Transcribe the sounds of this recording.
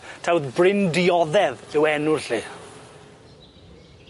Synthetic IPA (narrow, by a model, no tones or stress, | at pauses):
tʰawðbrɪndɪɔðɛðɪwɛnʊɬi